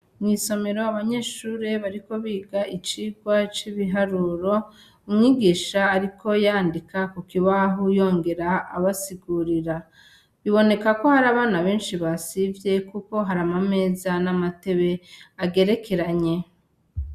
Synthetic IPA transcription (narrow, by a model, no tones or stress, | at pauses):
mŋiːso̞me̞ɾo̞aβaɲe̞ːʃuːɾe̞βaɾiko̞βiːɡaʔit͡ʃiːɡwat͡ʃiβiɦaɾuːɾo̞ | umŋiɡiːʃaːɾikʰo̞jaːndikakokiβaɦujo̞ːŋɡe̞ɾa̰ːβasiɡuɾiɾa | βiβo̞ne̞kako̞haɾaβaːnaβe̞ːnʃiβasivje̞kuko̞ɦaɾamame̞ːzanamate̞βe̞aɡe̞ɾe̞ke̞ɾaɲe̞